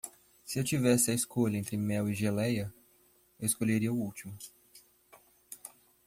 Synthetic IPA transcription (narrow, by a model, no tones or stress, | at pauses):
sɪewt͡ʃivɛsɪɐeskoʎɐẽnt̪ɾɪmɛwiʒelɛjɐ | ewɪskoʎeɾiɐʊuwt͡ʃimʊ